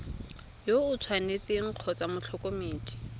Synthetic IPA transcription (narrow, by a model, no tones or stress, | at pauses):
joʊt͡sʰwanet͡sɪŋ̩q͡χʰɔt͡samʊt͡ɬʰɔkʼomeːtʰʼi̥